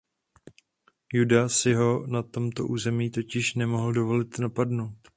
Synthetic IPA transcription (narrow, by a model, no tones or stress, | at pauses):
judasɪɦo̞nat̪o̞mt̪o̞̰ʔuːzɛmiːt̪o̞cɪʃnɛmo̞ɦl̩do̞vo̞lɪt̪napadno̞wt̪